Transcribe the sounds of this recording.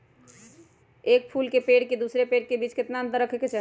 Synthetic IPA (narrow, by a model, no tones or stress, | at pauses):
ek̚pʰulkepeɽked̪usɾepeɽkebit͡ʃket̪naənt̪əɾəkʰeket͡ʃaɦ